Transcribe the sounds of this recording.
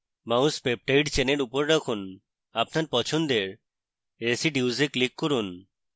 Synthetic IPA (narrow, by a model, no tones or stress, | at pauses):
mauspep̚ʈejɖt͡ɕeneɾupoɾɾɔkʰun | apnaɾpɔt͡ɕʰond̪eɾ | ɾesiɖuwzeklikːɔɾun